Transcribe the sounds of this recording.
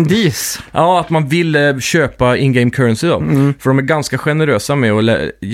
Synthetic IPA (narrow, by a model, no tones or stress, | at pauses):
d̪iːsʔɑːat̪manvɪlːɕøːpaɪnɡɛɪmkʰœɾənsɪd̪ɔ̰fœɖɔmæɾɡanskaɧɛnəɾøːsamɛɔlɛ̰